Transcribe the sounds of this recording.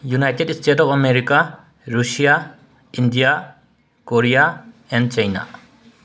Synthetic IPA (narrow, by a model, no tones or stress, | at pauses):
junajtedstʰetɔpɐmeɾika | ɾusija | indija | koɾija | ɛnd̚t͡ʃajna̰